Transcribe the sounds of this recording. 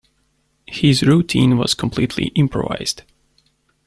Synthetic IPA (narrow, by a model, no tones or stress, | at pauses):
hɪzɹutʰĩnwʌ̰z̥kʰə̃m̩pʰl̥itʰlḭʔɪ̃mpʰɹɔ̰va̰ɪz̥d̥